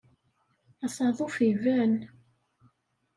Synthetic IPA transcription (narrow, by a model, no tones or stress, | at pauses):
ɑsˤɑðˤufivæn